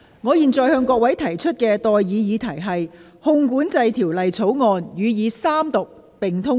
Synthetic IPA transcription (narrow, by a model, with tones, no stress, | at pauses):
ŋɔː˨˧jiː˨nt͡sɔː˨jhœː˧ŋkʷɔː˧k̚wɐ˨˥jt̪ʰɐ˨˩jt͡ʃʰɵ˥t̚kɛː˧t̪ɔː˨jːiː˨˧jiː˨˧t̪ʰɐ˨˩jɦɐ˨j | hʊ˧ŋkuː˨˥nt͡sɐ˧jt̪ʰiː˨˩wlɐ˨jt͡sʰo˨˥wŋɔː˨˧njyː˨˧jiː˨˧saː˥mt̪ʊ˨k̚ | pɪ˨ŋt̪ʰʊ˥